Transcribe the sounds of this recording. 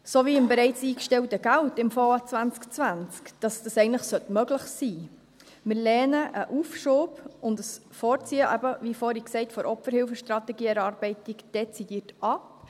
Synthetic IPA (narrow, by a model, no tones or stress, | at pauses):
soviːɪmbɛɾɛɪt͡siːkʃtɛltəɡ̥æltɪmfɔːɑt͡svænt͡skt͡svænt͡skd̥ɑsd̥ɑsɛɪɡəntləχsœtmœɡləχsiː | mɪɾlɛːnəʔəʔufʃoːbʊndəsfɔːɾt͡siːəʔæbəvifɔːɾiksɛɪtfɔɾʔɔpfəɾhɪlfəʃtɾɑtɛɡiːɛɾɑːɾbɛɪtikd̥ɛt͡sidiːtɑp